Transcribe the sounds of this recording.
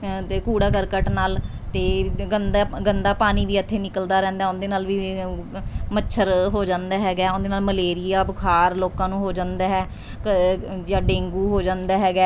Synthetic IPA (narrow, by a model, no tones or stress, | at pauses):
eːkuːɽaːkəɾkəʈnaːl | t̪eːɡənd̪aːɡənd̪aːpaːniːʋiːət̪ʰːeːnɪkəld̪aːɾɛ̃ːnd̪aɛːʊnd̪eːnaːlʋiː | mət͡ʃːʃʰəɾɦoːd͡ʒãːnd̪aːɦɛːɡɛːʊnd̪eːnaːlməleːɾɪjaːbəkʰaːɾloːkãːnũːɦoːd͡ʒãːnd̪aːɦɛː | d͡ʒãːɖẽːŋɡuːɦoːd͡ʒãːnd̪aːɦɛːɡɛː